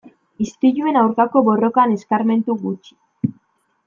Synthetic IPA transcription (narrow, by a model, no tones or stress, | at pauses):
ist̪iʎue̞nawɾkako̞βo̞ro̞kane̞skaɾme̞nt̪uɣut͡ʃi̥